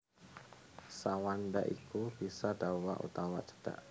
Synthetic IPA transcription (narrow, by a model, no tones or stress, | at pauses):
sawandaʔikub̥isadawa̰ʔṵt̪awa̰d͡ʒə̥d̥a̰ʔ